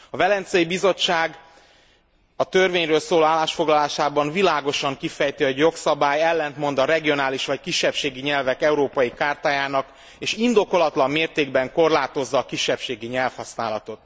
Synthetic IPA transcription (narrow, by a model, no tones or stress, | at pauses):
ɒvɛlɛnt̪sɛjibizo̞t͡ʃːaːɡ | ɒt̪ørveːɲrøːlsoːloaːlːaːʃfo̞ɡlɒlaːʃaːbɒnvilaːɡo̞ʃɒŋkifɛjt̪iɛɟjo̞ksɒbaːjɛlːɛnt̪mo̞nd̪ɒɾɛɡijo̞naːliʃʋɒckiʃːɛpʃeːɡiɲɛlvɛkɛuɾoːpɒjikaːrt̪aːjaːnɒk | eːʃind̪o̞ko̞lɒt̪lɒmːeːrt̪eːɡbɛŋko̞rlaːt̪o̞zːɒːkiʃːɛpʃeːɡiɲɛlfhɒsnaːlɒt̪o̞t̪